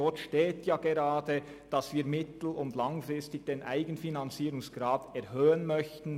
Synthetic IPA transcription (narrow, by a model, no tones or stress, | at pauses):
ɔtʃteːtjaːɡeɾaːdə | d̥ɑsviːɾmɪtl̩ʊndlaŋfɾɪstɪç̥d̥eːnʔa̰ɪɡənfinant͡siːɾʊŋsɡ̥ɾaːtɛɾhøːənmœçtn̩